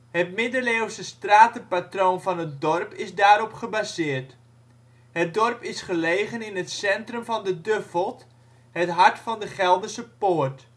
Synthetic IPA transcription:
hətmɪdəlewsəstraːtəpatroːnvɑnɦət̚dɔrpɪzdaːɾɔpχəbazɪːrt | hət̚dɔrpɪsχəlejχənɪnɦətsɛntrəmvɑndədøfəlˠt | hətɦɑɹtfɑndəχɛlˠdəsəpoːrt

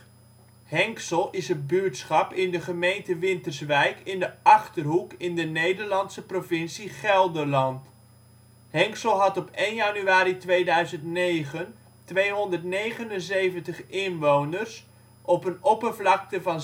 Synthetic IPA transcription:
hɛŋksəlˠɪsət̚byɹtsχɑpɪndəχəmejntəʋɪntərsʋɛjkɪndəɑχtərɦukɪndənejdəɹlɑntsəprovɪnsiχɛlˠdəlɑnt | hɛŋksəlˠɦɑtɔpejnjanyaːɾitʋejdœɥzəntnejχən | tʋejɦɔndərtnejχənənzejvəntəχɪnʋownərs | ʔɔpənɔpəvlɑk̚təvɑn

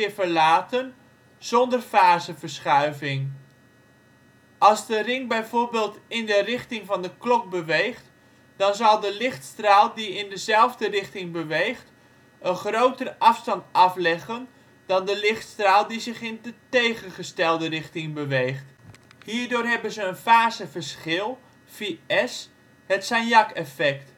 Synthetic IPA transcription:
ɪvəɹlaːtən | z̥ɔndərfaːzəvəɹsχœɥvɪŋ | ʔɑlˠzdərɪŋbɛjvoːɹbeːlˠtɪndərɪχtɪŋvɑndəklɔk̚bəʋejχt | d̥ɑnzɑlˠdəlɪχtstraːlˠdiɪndəzɛlˠvdərɪχtɪŋbəʋejχt | ənχrowtərəʔɑfstɑntɑflɛɣən | d̥ɑndəlɪχtstraːlˠdizɪχɪndətejχənχəstɛlˠdərɪχtɪŋbəʋejχthiːrdoːrɦɛbənzəːnfaːzəvərsχɪlˠ | fiɛs | hətsanjɑkɛfɛkt

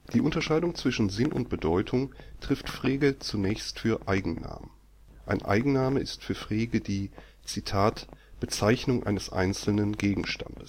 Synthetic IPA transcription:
d̥iːʔʊntɐʃaɪdʊŋt͡sv̥ɪʃn̩zɪnʔʊ̰nt̚b̥ədɔʏtʰʊŋtʁ̥ɪftfʁ̥eːɡət͡sunɛːçstfyːɐʔaɪɡŋ̩na̰ːmə | ʔaɪnʔa̰ɪɡŋ̩naːməɪstfyːɐfʁ̥eːɡədiː | t͡sitʰaːtb̥ət͡saɪçnʊŋʔa̰ɪnəsʔa̰ɪnt͡sl̩nənɡeːɡŋ̩ʃta̰ndəs

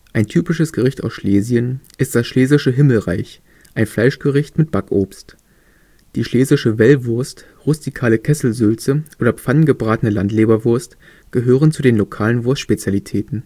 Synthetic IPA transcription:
ʔaɪntʰyːpɪʃəsɡ̥əʁɪçta̰ʊsʃleːzjənʔɪst̚d̥asʃleːzɪʃəɦɪml̩ʁa̰ɪç | ʔaɪnflaɪʃɡ̥əʁɪçtmɪt̚b̥akʔoːpst | d̥iːʃleːzɪʃəvɛlvʊɐst | ʁʊstikʰaːləkʰɛsl̩zʏlt͡səʔoːɾɐp͡fannɡəbʁaːtənəlantleːbɐvʊɐst | ɡ̥əɦøːʁənt͡sudeːnlokʰaːlənvʊɐstʃpet͡sjalitʰɛːtn̩

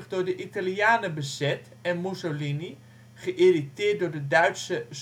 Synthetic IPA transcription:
χdʊːɹdəʔitaljaːnəbəzɛt | ɛnmusolini | χəʔeritɪːt̚dʊːɹdədœɥtsəs

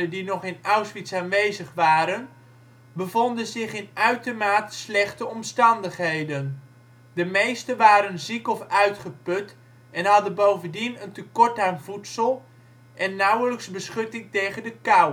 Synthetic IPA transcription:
ədinɔχɪnawsfitsaːnʋejzəχʋaːɾən | bəvɔndənzɪχɪnœɥtəmaːtslɛχtəɔmstɑndəχɦejdən | dəmejstənʋaːɾənzikɔfœɥtχəpɵt | ɛnɦɑdənbowvəndinəntəkɔɹtaːnvutsəlˠ | ʔɛnːʌwləksbəsχɵtɪŋtejχəndəkaw

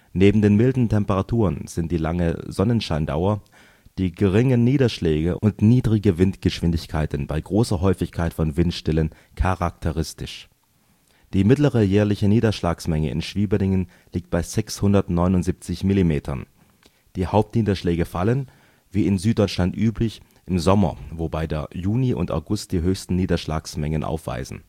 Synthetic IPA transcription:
neːbm̩deːnmɪldn̩tʰɛmpəʁatʰuːʁənz̥ɪntd̥iːlaŋə̰zɔnənʃaɪnda̰ʊɐ | d̥iːɡəʁɪŋəniːdɐʃlɛːɡəʔʔʊntniːdʁɪɡəvɪntɡ̥əʃv̥ɪndɪçkʰaɪtn̩baɪɡʁoːsɐɦɔʏfɪçkʰaɪtfɔnvɪntʃtɛlən | kʰaʁak̚tʰəʁɪstɪʃ | d̥iːmɪtləʁəjɛːɐlɪçəniːdɐʃlaːksmɛŋəʔɪ̰nʃv̥iːbənɪŋən | liːk̚t̚b̥aɪzɛkshʊndɐtnɔʏnʊntz̥iːp̚t͡sɪçmɪlimeːtʰɐ̰n | d̥iːhaʊp̚tniːdɐʃlɛːɡəfalən | viːɪnzyːt̚d̥ɔʏt͡ʃʃlantʔyːplɪç | ʔɪmzɔmɐ̰vobaɪdeːɐjuːniʔʊ̰ntʔa̰ʊɡʊst̚d̥iːɦøːçstn̩niːdɐʃla̰ːksmɛŋənʔa̰ʊfv̥a̰ɪzn̩

